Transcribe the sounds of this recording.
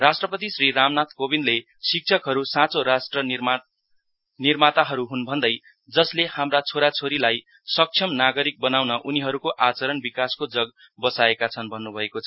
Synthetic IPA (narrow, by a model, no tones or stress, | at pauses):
rasʈrʌpʌt̪isriramnat̪kobinle | sik̚t͡sʰʌkɦʌɾusãt͡soɾasʈrʌi | nirmat̪aɦʌɾuɦunbʱʌnd̪ʌj | d͡zʌslehamrat͡sʰoɾat͡sʰoɾilaj | sʌk̚t͡sʰʌmnaɡʌɾik̚bʌnawnʌʔuniɦʌɾukoʔat͡sʌɾʌnbikaskod͡zʌɡ | bʌsaekat͡sʰʌnbʱʌnːubʱʌekot͡sʰʌ